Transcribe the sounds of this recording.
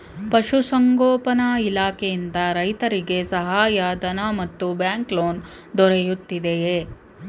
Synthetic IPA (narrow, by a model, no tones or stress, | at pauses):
pɐʃusɐŋɡoːpɐnɐilaːkʰejind̪ɐɾɐjt̪ɐɾiɡe̞sɐɦaːjɐd̪ɐnamɐt̪ːubjaːŋkloːn | d̪ɔɾejut̪ːid̪eje